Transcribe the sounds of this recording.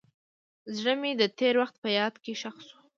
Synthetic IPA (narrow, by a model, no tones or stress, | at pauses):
zɽəmed̪ət̪eɾwaxt̪̚pəjɑd̪keʃaxsu̥